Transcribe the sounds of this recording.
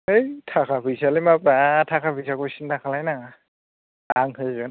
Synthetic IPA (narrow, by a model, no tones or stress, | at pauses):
ejtʰakʰabisalimapatʰakʰabisakosintʰakʰalajna | aŋɦɯjzɔn